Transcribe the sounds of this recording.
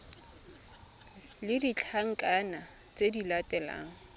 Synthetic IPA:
lɪdit͡ɬʰaŋ̩kʼana | t͡sʼedilatʼɛla̰ːŋ̩

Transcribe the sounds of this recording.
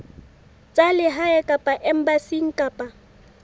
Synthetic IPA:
t͡sʼalɪɦaɛkʼapʼaʔɛm̩basiŋ̩kʼapʼa

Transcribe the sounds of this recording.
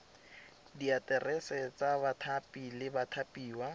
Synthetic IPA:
diatɛrɛsɛt͡sabatʰapʼilɪbatʰapiːwa

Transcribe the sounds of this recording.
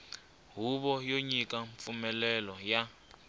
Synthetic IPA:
ɦuβɔjoɲikʼaɱp̪fumɛlɛlɔja

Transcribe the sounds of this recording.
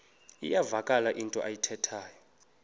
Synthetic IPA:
ḭjavakʼalaʔintʼɔ̰ʔajitʰɛtʰaːjɔ

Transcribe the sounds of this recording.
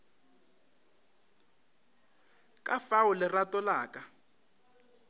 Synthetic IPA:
kʼafawʊlɛratɔlaːka

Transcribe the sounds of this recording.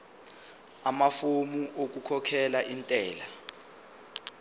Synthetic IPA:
amafomuʔok̬ukʰɔkʰɛlaʔintʼɛːla

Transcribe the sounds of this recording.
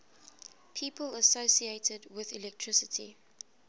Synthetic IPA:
pʰiːpʰələsoʊsieɪtʰədwɪðilɛk̚tʰɹ̥ɪsətʰḭ

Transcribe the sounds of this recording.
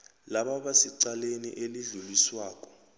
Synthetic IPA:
laɓaɓasiǀalenḭʔeliɮuliswaːkʼɔ̥

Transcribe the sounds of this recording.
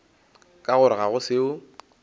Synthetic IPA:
kʼaɣʊɾɪɣaɣʊsɪʊ

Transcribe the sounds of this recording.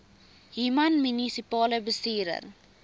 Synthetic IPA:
ɦimanmynisipɑːləbəstiːɾə̰r

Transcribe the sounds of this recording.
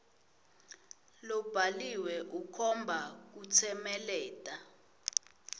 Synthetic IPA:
lɔb̥ʱaliwɛʔukʰɔmbʱak̬ut͡sʰɛmɛlɛːtʼa

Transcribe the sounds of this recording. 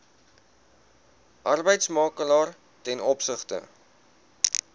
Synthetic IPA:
ʔɐrbəjtsmɑːkəlɑːr | tɛnɔpsəχtə̰

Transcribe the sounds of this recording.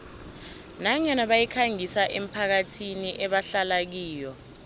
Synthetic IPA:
naɲanaɓajikʰaŋisaʔem̩pʰak̬atʰiniʔɛɓaɬalak̬iːjɔ

